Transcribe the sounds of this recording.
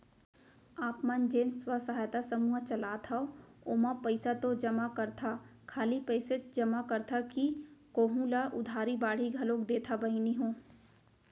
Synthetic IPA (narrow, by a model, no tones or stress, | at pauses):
aːpmɐnd͡ʒeːnswəsɐɦaːjt̪asɐmuːət͡ʃɐlaːt̪ʰaooːmapəɪsat̪od͡ʒɐmakɐɾt̪ʰakʰaːlipəɪset͡ʃd͡ʒɐmakɐɾt̪ʰakikoːɦũlaʔʊd̪ʱaːɾibaːɽ̤iɡʱɐloːkd̪eːt̪ʰabɐɦiniɦõː